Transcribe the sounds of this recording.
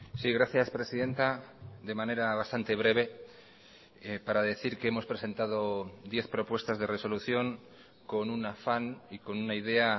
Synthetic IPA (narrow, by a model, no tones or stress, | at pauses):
siɣ̞ɾaθjaspɾe̞siðe̞nt̪ad̪e̞mãne̞ɾaβast̪ant̪e̞β̞ɾe̞β̞e̞ | epaɾaðe̞θiɾkeemo̞spɾe̞se̞nt̪að̞o̞d̪je̞θpɾo̞pwe̞st̪azðe̞re̞so̞luθjo̞ŋ | ko̞nunafaniko̞nunaið̞e̞a